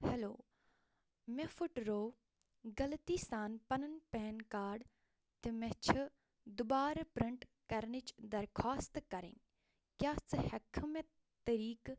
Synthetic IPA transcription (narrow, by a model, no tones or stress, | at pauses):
helo̰ː | mefuʈɾoː | ɡɐlt̪iːsaːnpɐnənpɛːnkaːɾɖ | t̪ɨmet͡ʃʰɨ | d̪ʊbaːɾpɾɪɳʈ | kɐɾnit͡ʃd̪ɐɾkʰaːst̪kɐɾḛn | kjaːt͡sɨhɐkʰme | t̪ɐɾiːk